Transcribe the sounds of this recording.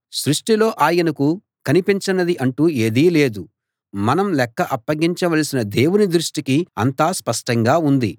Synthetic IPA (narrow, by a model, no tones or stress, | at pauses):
sɾuʂʈilo̞ːʔaːjɐnɐku | kɐnipiɲt͡ʃɐnɐd̪iʔɐɳʈuːe̞ːd̪iːle̞ːd̪u | mɐnɐmlɛkːɐʔɐpːɐɡiɲt͡ʃɐʋɐlsinɐd̪e̞ːwunid̪ɾuʂʈikiɐ̰nt̪aːspɐʂʈɐŋɡaːund̪i